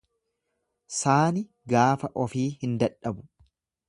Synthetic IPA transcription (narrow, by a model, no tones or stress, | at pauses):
saːnɪ | ɡaːfɐʔɔfiːhɪnd̪ɐᶑɐbʊ̥